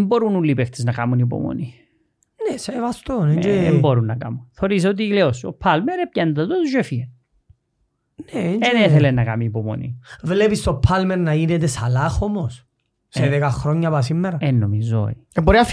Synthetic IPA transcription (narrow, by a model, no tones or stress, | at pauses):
mboɾunulːipeft̪eznɐkɐmunip̬o̰mo̰ni | nesevɐst̪oneɲd͡ʒeemboɾunːɐkɐ̰munθeoɾis̬eot̪̬ileoso̰pʰːɐlmeɾepɟɐnd̪ɐt̪ot̪uzefin | neeɲd͡ʒeθelenːɐkɐ̰miːpomo̰nḭvlepist̪opʰːɐlmeɾnɐinet̪̬esɐlɐxomos | seðekɐxɾoɲːɐpɐs̬imːeɾɐenːomizo̰ieboɾiɐf